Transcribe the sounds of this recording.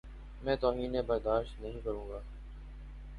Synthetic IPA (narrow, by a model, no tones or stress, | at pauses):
mɛ̃ːt̪oːɦiːneːbəɾd̪aːʃt̪nəɦĩːkəɾũːɡaː